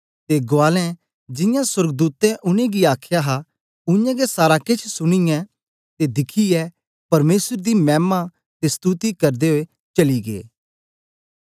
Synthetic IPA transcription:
t̪eɡoaːlɛ̃ | d͡ʒɪ̃jãswɐɾɡd̪uːt̪ɛ̃ʔʊñẽɡiaːkʰjaɦa | ʊjãɡesaːɾakɪt͡ʃʰsʊɽ̃ɪjɛ̃ | t̪ed̪ɪkʰiɛ | pɐɾmeːsəɾd̪imɛːma | t̪est̪uːt̪ikɐɾd̪eɦoe | t͡ʃɐliɡḛː

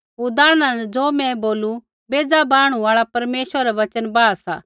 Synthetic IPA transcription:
ɦuːd̪aːɽ̃anɛd͡zoːmɛ̃boːlu | beːd͡zabaːɽ̃ũaːɭapɐɾmeːsʋəɾɾɛʋɐt͡ʃənbaːasa̰ː

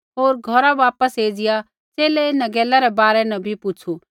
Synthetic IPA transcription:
ɦoːɾɡʱɔɾaʋaːpəseːd͡ʒɪja | t͡ʃeːlɛɪnãɡɛːlaɾɛbaːɾɛnɐbʱipʊt͡ʃʰu

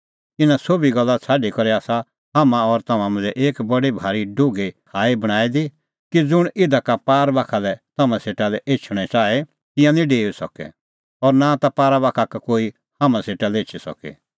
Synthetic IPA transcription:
ɪnãsobiɡɐlːat͡sʰaːɖikɔɾeaːsa | hamãɔɾt̪ɐmãmʊ̃nd͡zɛʔeːkbɐɽibʱaːɾiɖoɡekʰaːibɐɽ̃aːid̪i | kid͡zʊɽ̃ɪd̪akapaːɾbaːkʰalɛt̪ɐmãseːʈalɛʔeːt͡ʃʰʊɽ̃ɛt͡ʃaːe | t̪ɪ̃jãnĩɖeːusɔkɛ̰ | ɔɾnat̪apaːɾabaːkʰakakoːi | hamãseːʈalɛeːt͡ʃʰisɔ̰kḛ

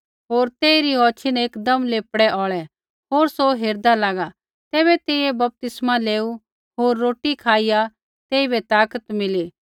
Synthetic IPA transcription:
ɦoːɾt̪eːiɾiɦɔːt͡ʃʰineːkd̪ɐmleːpɽɛʔɔːɭɛ | ɦoːɾsoɦeːɾd̪alaːɡa | t̪ɛːβɛt̪eːiebɐp̚t̪ɪsmaleːu | ɦoːɾːoːʈikʰaːija | t̪eːibɛt̪aːkət̪mɪliː

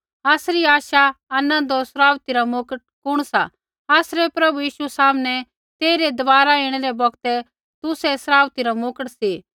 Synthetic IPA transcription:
aːsɾiaːʃaɐnə̃nd̪osɾaːʋt̪iɾamoːkəʈ̚kʊɽ̃sa̰ | aːsɾɛpɾɐbujiːʃusaːmnɛ | t̪eːɾed̪ɐʋaːɾaɪːɽ̃ɛɾɛbɔɡt̪ɛ | t̪ʊsɛsɾaːʋt̪iɾamoːkəʈsi

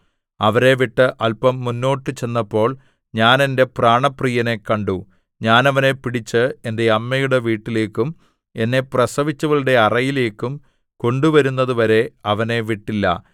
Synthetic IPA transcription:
ɐʋɐɾe̞ʋiʈːɨʔɐlpɐmːunːo̞ːʈːɨt͡ɕe̞nːɐpːo̞ːɭ | ɲaːnende̞praːɳɐprijɐne̞kɐɳɖu | ɲaːnɐʋɐne̞piɽit͡ɕːɨendeɐmːɐjuɽe̞ʋiːʈːile̞ːkːum | e̞nːe̞prɐsɐʋit͡ɕːuɣɐɭiɽe̞ɐrɐjile̞ːkːum | ko̞ɳɖuʋɐɾunːɐðuʋɐɾe̞ɐʋɐne̞ʋiʈːilːɐ̰

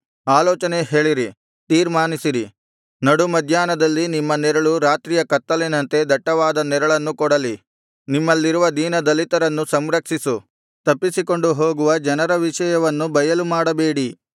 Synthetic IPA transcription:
aːlɔːt͡ʃɐneɦe̞ːɭiɾi | t̪iːɾmaːnisiɾi | nɐɽumɐd̪ʱjaːnɐd̪ɐlːinimːɐnɛɾɐɭuɾaːt̪ɾiːjɐkɐt̪ːɐlenɐnt̪e̞d̪ʱɐʈːɐʋaːd̪ɐnɛɾɐɭɐnːukɔɽɐli | nimːɐlːiɾuʋɐd̪iːnɐd̪ɐlit̪ɐɾɐnːusɐmɾɐkʂisu | t̪ɐpːisiko̞ɳɖuɦoːɡuʋɐd͡ʒɐnɐɾɐʋiʃɐjɐʋɐnːubɐjɐlumaːɽɐbe̞ːɽi

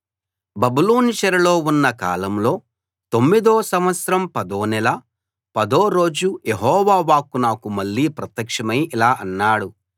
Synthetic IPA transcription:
bɐbuloːniʃɐɾɐlo̞ːunːɐka̰ːlɐmlo̞ː | t̪omːid̪oːsɐmʋɐt̪sɾɐmpɐd̪o̞ːnɛlɐ | pɐd̪oːɾo̞ːd͡ʒujeɦɔːʋaːʋaːkunaːkumɐɭːiːpɾɐt̪jɐkʂɐmɐjilaːʔɐnːaːɽu

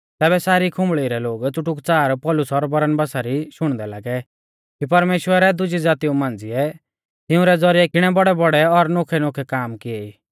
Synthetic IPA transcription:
t̪ɛːbɛsaːɾikʰʊ̃mbɭiɾɛloːɡt͡sʊʈʊkt͡saːɾpɔlʊsɔɾbɐɾənbasaɾiʃʊɽ̃d̪ɛla̰ːɡɛ | kipɐɾmeːʃwəɾɛd̪ʊd͡ʒid͡zaːt̪iũmãːnd͡ziɛ | t̪ɪʊ̃ɾɛd͡zɔɾijɛkɪɽ̃ɛbɔɽɛbɔɽɛɔɾnoːkʰɛnokʰɛkaːmkɪeiː

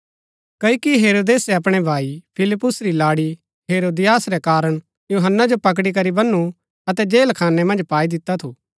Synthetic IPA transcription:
kɐikiɦeːɾoːd̪eːsɛɐpɽ̃ɛbʱaːipʰɪlɪpːʊsɾilaːɽi | ɦeːɾoːd̪ɪjaːsɾɛkaːɾəɽ̃ | juːɦənːad͡ʒopɐk̬ɽik̬ɐɾibɐnːu | ɐt̪ɛd͡ʒeːlkʰaːnːɛmɐ̃nd͡ʒpaːid̪ɪt̪ːat̪ʰuː

